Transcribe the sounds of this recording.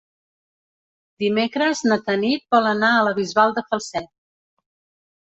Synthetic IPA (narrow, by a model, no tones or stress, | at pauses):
d̪imekɾəznət̪ənit̪̚bɔlənaələβizβalˠd̪əfəlˠsɛt̪̚